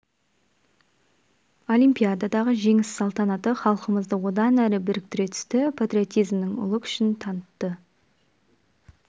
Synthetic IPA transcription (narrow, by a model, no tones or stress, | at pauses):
o̞lˠijmpʲijad̪ɑd̪ɑʁəʒe̞ŋɪsːɑlˠt̪ɑnɑt̪əχɑlˠəqəməzd̪əwo̞d̪ɑnæɾɪbɪɾɪk̚t̪ɪɾe̞t̪ʰʏ̥st̪ɪpʰat̪ɾʲijo̞t̪ijzmnɪŋʊ̰lˠəkʰʏ̥ʃɪnt̪ʰɑnət̪ːə